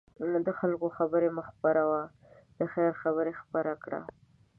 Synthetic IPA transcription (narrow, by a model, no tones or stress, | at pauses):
d̪əxalkoxabəɾemaxpaɾawa | d̪̥əxɛɾxabəɾexpaɾakɽa̰